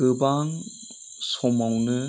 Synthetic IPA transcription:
ɯbaŋ | sɔmawnɯ

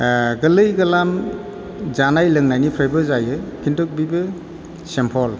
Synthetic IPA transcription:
ɡɯlɯjɡɐlam | zanajlɯŋnajnipʰɾajbɯzajɯkʰindɔk̚bibɯ | sempʰɔl

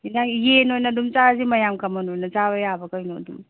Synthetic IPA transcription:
inajenojnɐdumt͡ʃazimɐjamkʰɐmɐnojnɐzaβɐjabɐkəjno̰dum

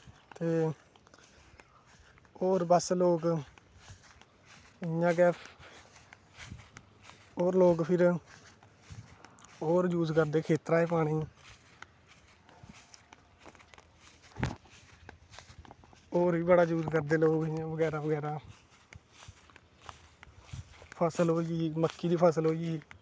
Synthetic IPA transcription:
t̪eː | oːɾbəsloːk | ɪjãːkɛː | oːɾloːkpʰɪɾ | oːɾjuːzkəɾd̪eːkʰeːt̪ɾaːeːpaːɽiː | oːɾiːbəɽaːd͡ʒuːzkəɾd̪eːloːɡɪːãːʋəɡɛːɾaːʋəɡɛːɾaː | pʰəsəlɦoːiːɡiːməkːiːd̪iːpʰəsəlɦoːiɡiː

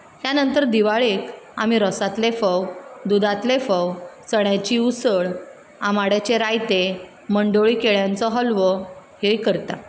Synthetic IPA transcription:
tjanənt̪əɾd̪iʋaɭeka̰miɾɔsat̪lefəwd̪ud̪at̪lefəwt͡səɳjat͡ɕiusəɭ | amaɽat͡ɕeɾajt̪e | məɳɖoɭiːkeɭjãnt͡sɔɦəlʋɔhejkəɾt̪a̰

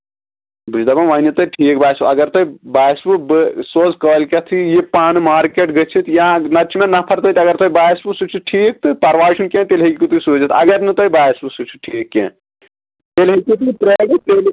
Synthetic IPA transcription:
but͡ʃd̪ɐbɐʋaːnit̪oʈʰiːkbaːjsbuɐɡɐɾt̪oibaːsbubɨsoːzkoːlʲkʲɐt̪ʰijepaːnɨmaːɾkeʈɡɐt͡ʃʰit̪jãnɐt͡ʃʰimẽnɐpʰɐɾt̪ɐt̪ʲɐɡɐɾt̪ojbaːisbusut͡ʃʰuʈʰiːk̚t̪ɨpɐɾʋaːʃunkʲẽːt̪elɦekʲikut̪usuːd͡ʒɐt̪ʰɐ̰ɡɐɾnɨt̪oibaːjsbusut͡ʃʰu̥ʈʰiːkːḛ̃ | t̪elɦekʲit̪ipɾeɽipeːl

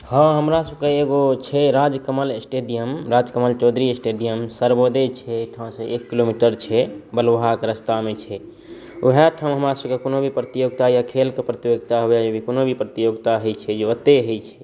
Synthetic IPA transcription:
hə̃ɦəmɾasəb̚keeɡot͡ʃʰɛɾad͡ʒkəməlsʈeɖijəmɾad͡ʒkəməlt͡ʃɔd̪ɾisʈeɖijəmsəɾbod̪et͡ʃʰɛʈʰãsə̃ʔekːilomiʈəɾt͡ʃʰɛbəlʋɦakɾəst̪amet͡ʃʰɛ | oɦeʈʰãɦəmɾasəbkekonobʱipɾət̪ijoɡt̪ajakʰelkepɾət̪ijoɡt̪aɦueebʱikonobʱipɾət̪ijoɡt̪aɦəjt͡ʃʰɛd͡ʒeət̪ːeɦəjt͡ʃʰɛ̥

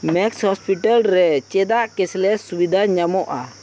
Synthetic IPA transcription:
mɛkshɔspiʈalɾɛt͡ʃɛd̪aʔkɛslɛsubid̪ʱaɲamɔʔa

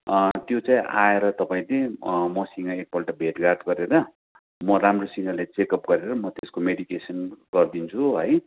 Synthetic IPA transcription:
t̪jot͡saĩʔa̰eɾʌt̪ʌpaĩlemʌsiŋaek̚bʌlʈabʱeʈɡard̪ɡʌɾeɾʌ | mʌɾamrosiŋʌlat͡sekʌpɡʌɾeɾʌmʌt̪eskomeɽikesʌnɡ̥ʌrd̪int͡sʰuɦʌj

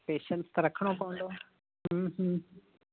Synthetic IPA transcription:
peːʃənst̪ɐɾɐkʰɽ̃opɐʋə̃nd̪oː | ɦə̃ːɦə̃

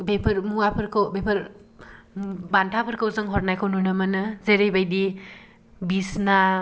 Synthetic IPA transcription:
bepʰɐɾmuapʰɯɾkʰawbepʰɐɾ | bantʰapʰɯɾkʰɯwzɯŋɦɔɾnajkʰawnunɯmɐnɯzejɾejbajdi | bisna

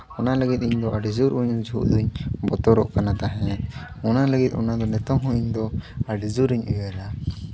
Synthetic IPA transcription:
ɔnaləɡit̪̚ˀiɲd̪ɔʔaɖid͡ʒuɾʔuɲd͡ʒʱuʔd̪uɲbɔt̪ɔɾɔ̰ʔkanat̪aɦɛ̃t̪ɔnaləɡit̪̚ɔ̰nad̪ɔnɛt̪ɔmɦɔ̃iɲd̪ɔaɖid͡ʒuɾiɲujɛɾa

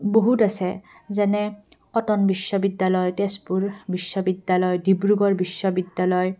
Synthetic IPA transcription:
boɦutasɛ | zɛnɛ | ɔtɔnbiʃːɔbidːalɔjtespuɹbiʃːɔbidːalɔjdibɹuɡɔɹbisːɔbidːalɔj

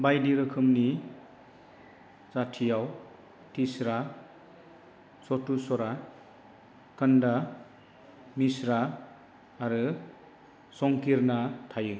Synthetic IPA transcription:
bajdiɾɯkʰɯmni | t͡satʰijaw | tʰisɾa | sɔtusɔɾa | kɯnda | misɾaː | ɾɯ | sɔŋkiɾnatʰajɯ

